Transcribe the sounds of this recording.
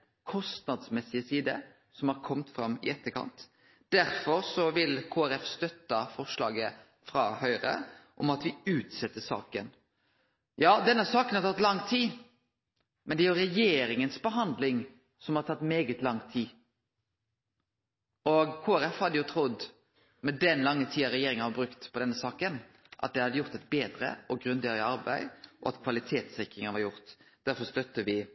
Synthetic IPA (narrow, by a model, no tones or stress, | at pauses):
kʰɔst̪nɑd̪smɛsːɪəsiːd̪ə | sɔmhɑɾkʰɔmt̪fɾɑmɪ̰ɛt̪ːəkʰɑ̰nt̪ | d̪̥æɾfɔɾsɔʋɪlkʰoːæɾɛfst̪œt̪ːɑfɔʂlɑ̰ːɡə | fɾɑ̰hœʏɾə̰ʔɔmɑt̪ʋɪʉːt̪sɛt̪ːəsɑ̰ːkən | jɑːd̪ɛnːɑsɑːkənhɑɾt̪ʰɑt̪ːlɑŋːt̪ʰiː | mɛnd̪ɛæɾjʊɾɛjeːɾɪŋənsbəɦɑnd̪lɪŋ | sɔmhɑɾt̪ʰɑt̪ːmeːɡət̪lɑŋt̪ʰiː | ɔɡkʰoːæɾɛfhɑd̪əjʊt̪ʰɾʊd̪ | mɛd̪ɛnlɑŋːət̪ʰiːɑɾɛjeːɾɪŋɑʋɑbɾʉkt̪pʰɔd̪ɛnːəsɑːkən | ʔɑ̰t̪̚d̪ɛhɑd̪ːəjʊɾt̪ɛt̪̚beːd̪ɾə̰ɔɡɾʉnd̪eːɾɪɑɾbæ̰ɪʔɔ̰ɑ̰t̪kʰʋɑlɪt̪ʰeːt̪sɛkɾɪŋənʋɑɾjʊɾt̪d̪̥æɾfɔɾst̪œt̪ːəʋɪ